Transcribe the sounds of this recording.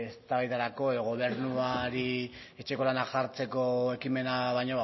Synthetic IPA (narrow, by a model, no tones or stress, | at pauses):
est̪aβajt̪aɾako̞e̞ðo̞ɣo̞β̞e̞ɾnuaɾi | e̞t͡ʃe̞ko̞lanaʝaɾt͡se̞ko̞e̞kime̞naβajɲoβ